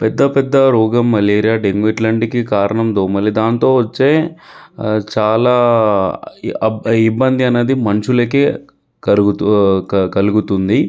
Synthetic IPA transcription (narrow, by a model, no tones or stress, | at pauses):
pɛd̪ːɐpɛd̪ːɐɾuːɡɐmːɐleːɾijaːɖeŋɡʋiʈlɐɳʈikːikaːɾɐɳɐmd̪oːmɐlid̪aːnt̪o̞ːʋɐt͡ʃːeː | t͡ʃaːlaː | ibːɐnd̪iɐnɐd̪imɐnt͡ʃulɐkeː | ɐ | kɐluɡut̪und̪i